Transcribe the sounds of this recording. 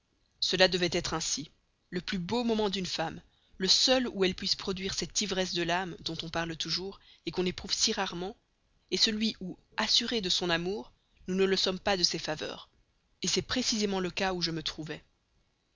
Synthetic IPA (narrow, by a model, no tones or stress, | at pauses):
səlad̪əvɛt̪ɛt̪χɛ̃si | ləplybomɔmɑ̃d̪ynfam | ləsœluɛlpɥispχɔd̪ɥiʁsɛt̪ivʁɛsd̪əlamd̪ɔ̃t̪ɔ̃paʁlt̪uʒuːʁekɔ̃nepχuv̥siʁaʁmɑ̃ | esəlɥiʔu | asyʁed̪əsɔ̃namuːʁ | nunələsɔmpad̪əsɛfavœ̰ːʁ | esɛpχesizemɑ̃ləkauʒəmət̪χuvɛ